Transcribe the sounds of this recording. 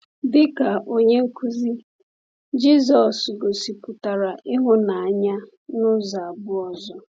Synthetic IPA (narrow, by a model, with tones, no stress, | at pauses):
bɪ˦ka˨ʔo˦ɲe˦ŋ̩˦kʰu˦zi˦ | d͡ʒi˦zɔ˨sɡo˨si˨pʊ˨ta˨ɾa˨ʔɪ˦ɦʊ˦na˨a˨ɲa˦ | nʊ˦za˨a˨bʊ˦ɔ˨zɔ˦